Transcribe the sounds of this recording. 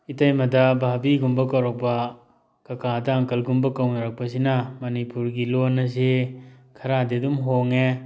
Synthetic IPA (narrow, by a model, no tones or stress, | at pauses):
itɐjmɐdɐbʱabiɡumbɐkɐwɾok̚pɐ | kɐkʰadɐaŋkɐlɡumbɐkɐwnɐɾɐk̚pɐs̬inɐmɐnipuɾɡilonːɐs̬ekʰɐɾadidumɦoŋe